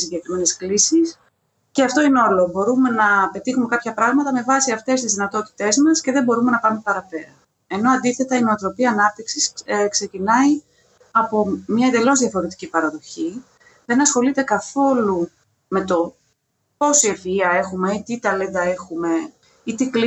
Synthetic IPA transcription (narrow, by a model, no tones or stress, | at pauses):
siɲɟe̞kɾime̞ne̞sklisis | ceɐft̪o̞ineo̞lo̞bo̞ɾume̞nɐpe̞t̪ixumekɐpçɐpɾɐɣmɐt̪ɐme̞vɐsiɐft̪e̞s̬t̪izðinɐt̪o̞t̪i̥t̪e̞zmɐsce̞ðe̞mbo̞ɾume̞nɐpɐumepɐɾɐpe̞ɾɐ | e̞no̞ɐnd̪iθe̞t̪ɐinoot̪ɾo̞piɐnɐp̚t̪iksiskse̞cinɐi | ɐpo̞mɲɐend̪e̞lo̞zðjɐfo̞ɾe̞t̪i̥cipɐɾɐðo̞çi | ðe̞nɐsxo̞lit̪e̞kɐθo̞lu | me̞t̪o̞ | po̞sie̞fiɐe̞xume̞it̪it̪ɐled̪ɐe̞xume̞ | it̪ikli